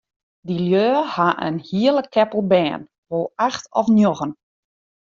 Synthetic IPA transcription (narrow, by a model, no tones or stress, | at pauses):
diljøːhaʔə̰nhiələkʰːɛpəlˠbɛːn | ʋoːlˠaxtɔfnjoɣən